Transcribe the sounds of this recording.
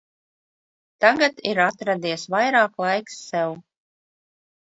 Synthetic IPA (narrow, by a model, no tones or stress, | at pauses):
t̪aɡat̪iɾat̪ɾad̪iɛsvajɾɑːklˠajksːɛw